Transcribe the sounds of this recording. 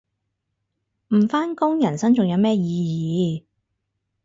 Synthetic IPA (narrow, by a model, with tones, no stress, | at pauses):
m̩˨˩faː˥nkʊ˥ŋjɐ˨˩nsɐ˥nt͡sʊ˨ŋjɐ˨˧wmɛː˥jiː˨˧jiː˨˧